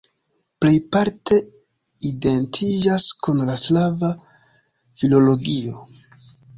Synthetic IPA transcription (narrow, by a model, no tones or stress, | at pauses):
ple̞jpaɾte̞ | ide̞ntʰid͡ʒaskunlaslava | filo̞lo̞ɡio̞